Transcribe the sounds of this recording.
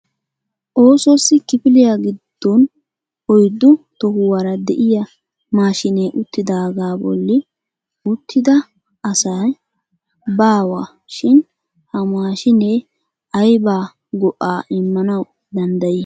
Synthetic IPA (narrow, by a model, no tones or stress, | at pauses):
ʔo̞ːsɔsːɪkɪpɪlɪjaɡɪd̪̥ːɔn | ɔjd̪ːʊt̪ɔhʊwɐɾɐd̪ɛʔɪjɐ | maːʃɪneːʔʊt̪ːɪd̪aːɡaːbɔ̰lːɪ | ʊt̪ʰːɪd̪ɐ | ɐsɐj | baːwa | ʃɪn | hɐmaːʃɪne | ʔɐjbaː | ɡɔʔaːɪmːɐnɐw | d̪ɐnd̪ɐji